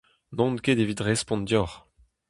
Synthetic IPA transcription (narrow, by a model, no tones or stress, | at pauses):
nɔ̃nkedevit̪ʁɛspɔ̃ndjɔʁ